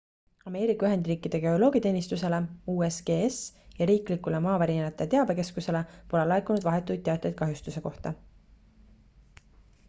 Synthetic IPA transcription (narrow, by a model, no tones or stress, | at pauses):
ɑme̞ːɾikːˑɑyɦe̞nd̪̥riːkːˑid̪̥e̞ɡ̥e̞o̞lo̞ːɡ̥it̪e̞ːnist̪use̞le̞uːesɡ̥eːesjɑɾiːklikule̞mɑːvæɾinnɑt̪ːˑe̞t̪e̞ɑbe̞ke̞skuse̞lepo̞lelɑekːˑunud̪̥vɑɦe̞t̪ːˑujd̪̚t̪ːe̞ɑt̪ːˑɑjd̪̥̚kɑɦjust̪use̞ko̞ht̪ɑ